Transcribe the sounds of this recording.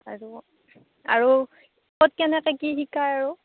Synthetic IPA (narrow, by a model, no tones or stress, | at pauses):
aɹu | a̰ɹu | kɔt̚kɛnɛkɛkixikʰːaɹaɹu